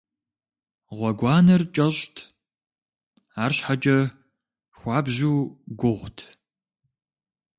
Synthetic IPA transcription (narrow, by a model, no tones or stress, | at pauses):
ʁʷɔɡʷɑːnɐrt͡ʃʼɐɕʼtʰ | aːrɕħat͡ʃʼɐ | xʷɑːbʑuːɡʷʊʁʷtʰ